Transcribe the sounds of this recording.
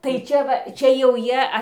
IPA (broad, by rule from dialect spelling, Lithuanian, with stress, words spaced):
tɐɪ ˈt͡ʃʲɛ ʋɐ ˈt͡ʃʲɛ jɛʊ ˈjiɛ